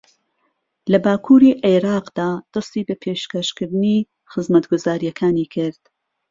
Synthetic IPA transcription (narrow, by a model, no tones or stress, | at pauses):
lɐbaːkʰuːɾiːʔeɾɑːqd̪̥aːd̪̥ɨst̪iːbɐpʰeːʃkɐʃkɨɾd̪ɨni | xɨzmɐt̪ɡʊzaːɾijɐkʰaːniːkʰɪɾd̪̥